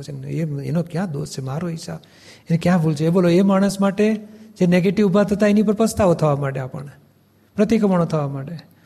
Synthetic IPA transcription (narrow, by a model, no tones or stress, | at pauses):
t͡ʃʰeneḛnokjãd̪o̰st͡ʃʰemaɾoisa̰ | enekjãbʱult͡ʃʰeːboloemaɽ̃əsmaʈed͡ʒeneɡeʈiʋubʱat̪ʰət̪aenip̬əɾpəst̪aʋot̪ʰəʋamaʈeapə̰ɳ | pɾət̪ikəməɳ̃ot̪ʰəʋamaʈe